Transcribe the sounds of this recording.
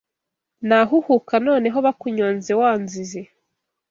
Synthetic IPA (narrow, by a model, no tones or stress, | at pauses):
naɦuhukano̞ːne̞ɦo̞βakuɲoːnzewaːnzize